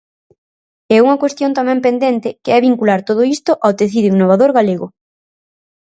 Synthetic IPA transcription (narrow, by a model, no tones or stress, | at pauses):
ɛuŋɐkwest̪jont̪amɛ̃mpend̪ent̪ɪkeɛβiŋkulaɾt̪oð̞ʊist̪ʊʔawt̪eθiðoiŋnoβaðoɾɣaleɣʊ